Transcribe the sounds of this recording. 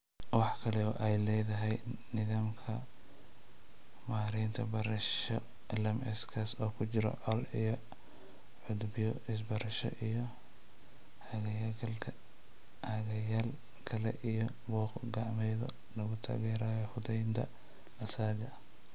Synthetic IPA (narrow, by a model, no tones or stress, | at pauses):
wɑħkʰɐlɛɔʔɛjlɛːjðɐɦɛjnɪðaːmkʰɐ | maːɾɪnt̪ʰɐbɐɾɐʃɔ | ɛlɐmɛskʰɐsɔːkʰʊt͡ʃɪɾɔ̰ʕɔlijɔ | ʕʊd̪bjɔɪs̬bɐɾɐʃɔ̰ʔijɔ | hɐɣɐjakʰɐlkʰɐ | hɐɣɐjaːl | kʰɐlɛ̰ʔijɔ | bɔːqɡɑʕmɛjðɔ | lɐɣʊt̪ʰa̰ːɣɛːɾaːjɔhʊðɛjnt̪ʰɐ̰ | ɐsaːɡɐ